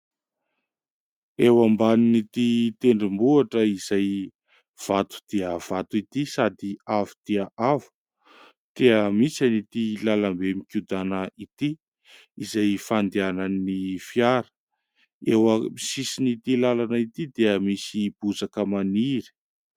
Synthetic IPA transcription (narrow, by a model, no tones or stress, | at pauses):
ewambaninit̪it̪eɳɖ͡ʐimbuaʈ͡ʂəiz̥aj | v̥at̪u̥d̪̥eəv̥at̪uit̪isad̪iavu̥t̪iəʔavu̥ | t̪eəmisanit̪ilalambemikʲud̪anəit̪i | izajfand̪eananːifjaɾə̥ | ewəmisisinit̪ilalanəit̪id̪eəmisib̥uzakəmaniɾi̥